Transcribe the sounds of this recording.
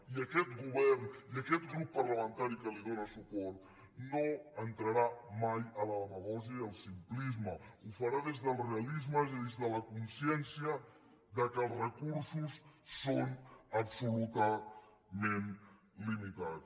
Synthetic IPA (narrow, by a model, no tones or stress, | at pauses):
iəkɛt̪ɡuβɛrniəkɛt̪̚ɡɾupːəɾləmənt̪aɾikəliðonəsupɔɾt̪ | noənt̪ɾəɾamajələləβəɣɔʒiəiəlˠsimplizməufəɾaðezðəlˠreəlizməiðezðələkunsjɛnsiə | ðəkəlˠzrəkuɾsusːonəpsulut̪ə | men | limit̪at̪